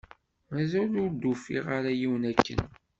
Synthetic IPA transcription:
mæzælʊɾd̪ːufḭʁaɾajiwnækːə̰n

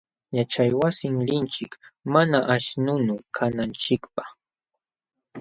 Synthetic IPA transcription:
jat͡ʃajwasɪŋlɪnt͡ʃɪkmanaʔaʃnʊnʊkʰanant͡ʃɪkpḁχ

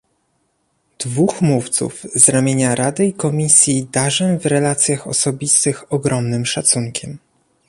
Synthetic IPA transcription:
d̪̥vuxmuft̪sṵvzɾamʲjeɲaɾad̪ɘikɔmʲisʲjid̪aʐɛvɾɛlat̪sʲjaxɔ̰sɔbʲist̪ɘxɔɡɾɔmnɘmʂat̪suŋkʲʰɛm

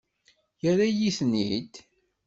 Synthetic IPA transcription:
jəɾajiθnḭd̪

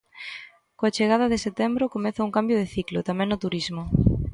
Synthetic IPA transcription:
koat͡ʃeɣað̞ɐðɪset̪ɛmbɾʊkomɛθɐuŋkambjoð̞eθiklʊt̪amɛ̃ŋnot̪uɾizmʊ

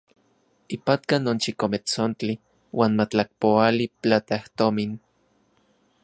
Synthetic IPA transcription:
ipat̪kanont͡ʃikomet͡sont͡ɬi | waːnmat͡ɬak̚poalipt͡ɬat̪aht̪omin

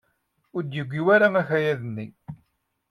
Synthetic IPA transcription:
ʊɾd̪jəɡʷːiwæɾæmæçæjæðənːi

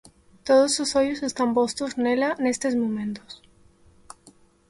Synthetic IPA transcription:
t̪oð̞ososoʎose̞st̪ampost̪oznelanest̪ezmõmẽnt̪os

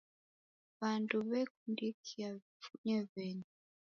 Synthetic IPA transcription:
βanduβɛk̚undikʰiaβifuɲɛβɛnuu

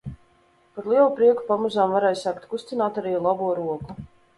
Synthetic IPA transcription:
paɾlˠiɛlˠupɾiɛku̥pamuzaːmvaɾɛːjsaːkt̪kust̪ʲinaːt̪aɾiːlˠabuɔɾuɔku

